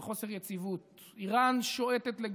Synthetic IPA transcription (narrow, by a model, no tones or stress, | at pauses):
χo̞seʁjet͡sivut̪ | iʁanʃoet̪et̪leɡ